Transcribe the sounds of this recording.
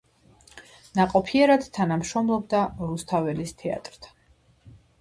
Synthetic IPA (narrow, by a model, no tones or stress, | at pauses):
naqʼɔpʰiɛɾad̪̥t̪ʰanamʃɾɔmlˠɔb̚d̪aɾust̪ʰavɛlist̪ʰɛa̰t̪ʼɾt̪ʰḁ